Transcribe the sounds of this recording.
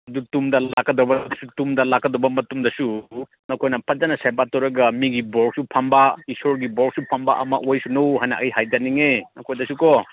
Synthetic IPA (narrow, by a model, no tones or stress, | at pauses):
ɐdutumdɐlakːɐdɔbɐsutumdɐlakːɐdɔbɐmɐtumdɐsu | nɐkʰojnɐpʰɐt̚d͡ʒɐnɐsajbatɔwɾɐɡɐmiɡibɔɾk̚supʰɐmbaisoɾɡibɔk̚supʰɐmba̰ʔɐ̰mɐ̰ʔojsunɐwɦajna̰ʔɐjɦajdɐniŋenɐkʰojdɐsukɔ